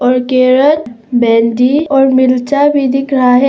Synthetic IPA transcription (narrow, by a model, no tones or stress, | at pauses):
ɔːɾkeːɾəl | bɛ̃ːnɖiɔːɾmɪlt͡ʃabʱid̪ɪkɾaɦɛ